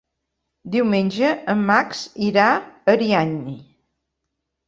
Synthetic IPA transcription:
d̪iwmenʲʒəəmːaksiɾaəɾiaɲːi

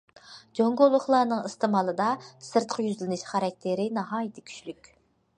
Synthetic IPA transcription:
d͡ʒoŋɡolˠːʊχlˠɑːnɨŋist̪ɨmɑlˠɨd̪ɑsɨɾt̪qʰjyzlɪnɪʃχɑɾɑk̚ʲt̪ʰɪɾɪnɑɦɑːjɪt̪ʰɪ̥kʲʰy̥ʃlykʲ

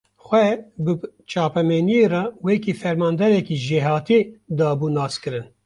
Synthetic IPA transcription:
xʷɛbɨt͡ʃɑːpɛmeːnijeːrɑwekifɛɾmɑːnd̪ɛɾɛkiːʒeːɦɑːt̪ed̪ɑːbuːnɑːskɨɾɨn

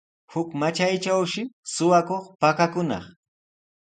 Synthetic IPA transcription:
hʊkmat͡ʃajt͡ʃawʃɪsʊwakoχpakakʊnɑ̰χ

